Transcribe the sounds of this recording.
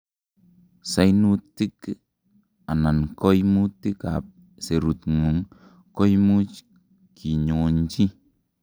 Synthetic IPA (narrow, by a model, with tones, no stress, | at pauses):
sa˦jnu˦ti˦k | a˨na˨nkɔ˦jmu˦ti˦ka̰˨p̚ | se˨ɾu˨tŋu˨ŋ | kɔ˦jmu˦t͡ʃ | kʰi˨ɲo˨ŋ˨n˦d͡ʒi˦